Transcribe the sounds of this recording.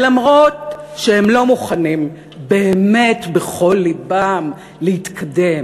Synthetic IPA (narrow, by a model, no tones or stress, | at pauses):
lamʁo̞t̚ʃehemlo̞muχanim | be̞ːme̞tbeχo̞lːibam | lehitkʰade̞m